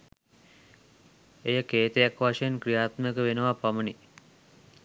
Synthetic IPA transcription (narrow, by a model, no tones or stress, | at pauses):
ejəkeːt̪əjakʋaʂəjenkrijaːt̪məjəkəʋenəʋapaməni